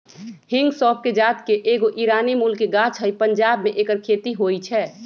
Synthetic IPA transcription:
hɪŋɡsɔːpʰked͡ʒaːt̪keʔeːɡoʔiɾaːnimulkeɡaːt͡ʃʰɦəipənd͡ʒaːbmẽʔeːkəɾkʰeːt̪iɦoit͡ʃʰɛː

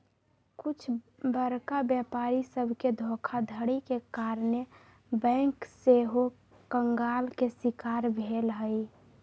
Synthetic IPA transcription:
kut͡ʃʰ | bəɾkabjəpaɾisəbʱked̪ʱokʰad̪ʱəɽikekaɾne | bɛ̃ŋkseɦo | kəŋɡalkesikaɾbʱelɦəj

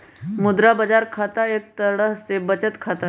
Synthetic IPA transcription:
mʊd̪ɾabəd͡ʒaːɾkʰat̪aeːk̚t̪əɽəɦsebət͡ʃət̪kʰat̪a

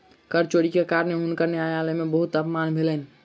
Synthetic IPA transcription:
kəɾt͡ʃoɽikekaɾəneɦunkəɾneajalemẽbəɦut̪əpmanbʱelən

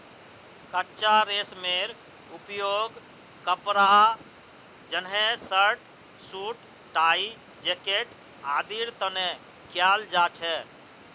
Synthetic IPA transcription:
kətːt͡ʃaɾesmeɾ | upjoɡ | kəpɾa | d͡ʒənɦesəɾʈ | suʈ | ʈai | d͡ʒekeʈ | ad̪iɾt̪əne | kjald͡ʒat͡ʃʰɛ

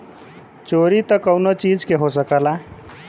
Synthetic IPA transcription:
t͡ʃoɾit̪ʌkʌwnot͡ʃid͡ʒkeɦosəkəla

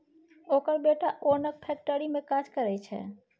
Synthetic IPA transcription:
okəɾbeʈaʔonək̚pʰɛk̚ʈəɾimẽkad͡ʒkəɾɛjt͡ʃʰɛ̰

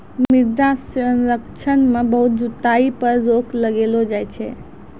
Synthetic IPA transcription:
miɾd̪asənɾəkt͡ʃʰənmẽbəɦut̪̚d͡ʒut̪aipəɾɾokʰləɡelod͡ʒajt͡ʃʰɛ̰

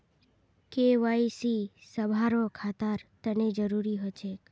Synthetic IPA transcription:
keʋaisisəbʱaɾokʰat̪aɾt̪əned͡ʒəɾuɾiɦət͡ʃʰek

